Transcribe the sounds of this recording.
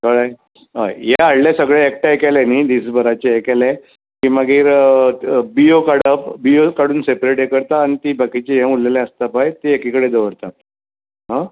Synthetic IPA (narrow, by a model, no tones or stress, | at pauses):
kəɭaj | ɦa̰jjeaɽlasəɡɭɛek̚ʈajkɛleniːd̪iːsbəɾat͡ɕeekɛle | kĩmaɡiːɾ | biokaɽəpbiokaɽuːnsepɾeʈjekəɾt̪aːñit̪iːbakit͡ɕeɦɛ̃ulːelɛ̃əst̪apajt̪eekikəɽed̪əʋəɾt̪at̪ | ɦã